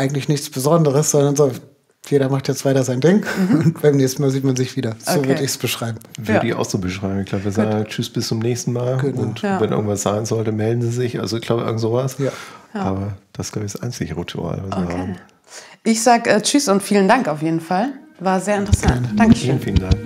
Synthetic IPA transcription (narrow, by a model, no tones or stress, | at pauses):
ʔaɪɡŋ̩tlɪçnɪçt͡sb̥əzɔndəʁəsz̥ɔndɐnzoː | jeːɾɐmaχtjɛt͡stv̥aɪtɐzaɪndɪŋʊntb̥aɪmnɛːçstn̩maːlziːtmanzɪçv̥iːdɐ̥oːvvɪɐdəɪçsb̥əʃʁ̥aɪbm̩vɪiːʔa̰ʊxz̥oːbəʃʁ̥aɪm̩ɪçɡ̥laːbəvːɐzaːɡŋt͡ʃʏsb̥ɪst͡sʊmnɛːçstn̩maːlɡənʊntvɛnʔɪ̰ɡŋ̩tv̥asz̥aɪnzɔltəmɛldn̩ziːzɪçʔa̰lzoɪçɡ̥laːbəʔɪ̰ɡŋ̩tzoːvasjaːʔaːbɐd̥assɡlaʊbç̥sʔa̰ɪnt͡sɪɡəʁitʰuʔa̰ːlvasviːɐhaːbm̩ | ʔɪçz̥aːɡəʔɛːt͡ʃysʊntfiːləndaŋkaʊfjeːdn̩falvaːɐzeːɐɪntəʁəsɡaɛɐnəd̥aŋəiːlənfiːləndaŋk